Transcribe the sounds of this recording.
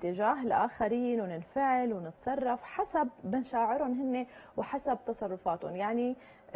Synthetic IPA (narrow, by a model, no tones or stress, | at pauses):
t̪ːɪʒaːɦɪlʔaːxaɾiːnwnɪnfaʕɪlwnɪt̪sˤɑrˤːɑfħasabːɪnʃaːʕɪɾʊnɦɪnːewħasab̚t̪ɑsˤɑrˤːʊfaːt̪ʊnjaʕni